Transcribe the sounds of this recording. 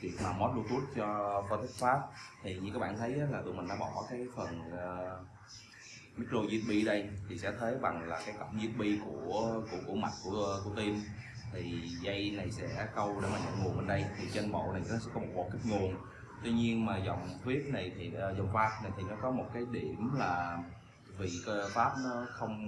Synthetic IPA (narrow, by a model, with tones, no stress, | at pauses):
t͡ɕḭ˨˩ət̚maː˨˩mo˦˥t̚ɗu˧t̪u˦˥ət̚t͡ɕɔ˧fɔː˧t̪ʰi˦˥t̚faː˦˥p̚t̪ʰi˨˩ɲɨ̰˧˥kaː˨˦jɓa̰ː˧˨nt̪ʰə˨˦jʔaː˨˦laː˨˩t̪ɨ˨˩mï˨˩ŋ̟ɗaː˧˥ɓɔ˧˩kaː˨˦jfə˨˩nəː˨˩ | mi˦˥k̚ɾo˧zi˦˥t̚ɓi˧ɗə˧jt̪ʰi˨˩sɛ̰˧˥t̪ʰə˨˦jɓa˨˩ŋlaː˨˩kaː˨˦jkə̰˧˩˨wŋ͡mzi˦˥t̚ɓi˧ku˧˩əku˧˩əku˧˩əma˨˩t̚ku˧˩ə˧ku˧˩ət̪i˧m | t̪ʰi˨˩zə˧jna˨˩jsɛ̰˧˥kə˧wɗe˧˩maː˨˩a̰˧˨ŋu˨˩əŋɓe˨˩nɗə˧jt̪ʰi˨˩t͡ɕe˧nɓo̰˧˨na˨˩jsɛ̰˧˥kɔ˨˦mo˨˩ɓo̰˨˩ki˦˥ŋu˨˩ən | t̪wi˧ɲi˧ənmaː˨˩zɔ˨˩wŋ͡mt̪ʰwi˦˥əp̚na˨˩jt̪ʰiː˨˩˨zɔ˨˩wŋ͡mfaː˦˥p̚na˨˩jt̪ʰi˨˩nɔ˨˦kɔ˨˦mo˨˩t̚kaː˨˦jɗi˧˩˨əmlaː˨˩ | vi˨˩kə˧faː˦˥p̚nɔ˨˦xə˧wŋ͡m